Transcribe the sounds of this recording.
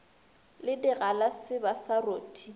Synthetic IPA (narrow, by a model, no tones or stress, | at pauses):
lɪdɪɣalasɪbasaroːtʰʼi